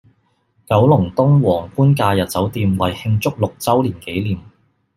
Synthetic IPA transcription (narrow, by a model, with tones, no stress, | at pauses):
kɐ˨˥wlʊ˨˩ŋt̪ʊ˥ŋwɔː˨˩ŋkuː˥nkaː˧jɐ˨t̚t͡sɐ˨˥wt̪iː˧mwɐ˨˩jhɪ˧ŋt͡sʊ˥k̚lʊ˨k̚t͡sɐ˥wliː˨˩nke˨˥jliː˨˩m